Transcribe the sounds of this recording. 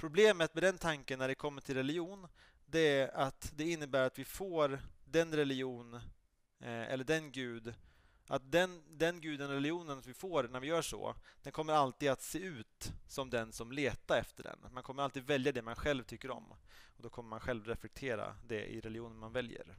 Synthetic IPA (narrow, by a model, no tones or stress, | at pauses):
pʰɾʊbleːmət̪mɛd̪ɛnt̪ʰaŋkənːæɖɛkʰɔmːəʈʰɪlɾɛlɪjuːn | d̪ɛæat̪d̪ɛɪnːəbæːɾat̪vɪfoːɾd̪ɛnɾɛlɪuːn | ʔɛ̰lːəɖɛnɡʉ̟ːd̪ | ʔat̪̚d̪ɛnd̪ɛnɡʉ̟ːd̪ənɾɛlɪuːnənat̪vɪfoːɾnæɾvɪjœːʂɔ̰d̪̥ɛnkʰɔmːəɾalt̪iːd̪at̪seːʉ̟ːt̪sɔmd̪ɛnsɔmleːt̪aɾɛft̪əɖɛ̰nmankʰɔmːəɾalt̪iːd̪vɛljad̪ɛmanɧɛlvt̪ʰʏkːəɾɔ̰mɔd̪ɔkʰɔmːəɾmanɧɛlvɾɛflɛk̚t̪ʰeːɾa̰d̪ɛ̰ʔɪ̰ɾɛlɪjuːnənmanvɛljə̰ɾ